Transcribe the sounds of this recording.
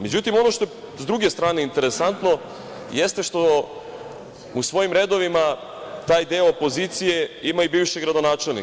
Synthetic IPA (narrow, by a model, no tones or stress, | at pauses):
me̞d͡ʑut̪imo̞no̞ʃt̪o̞je | zd̪ɾuɡe̞st̪ɾaːne̞int̪eɾesant̪no̞ | jest̪eʃt̪o̞ | usʋo̞jimɾe̞d̪o̞ʋima | t̪aːjd̪eoopo̞zit̪sijeimaibiːʋʃeɡɾad̪o̞naːt͡ʃe̞lnḭ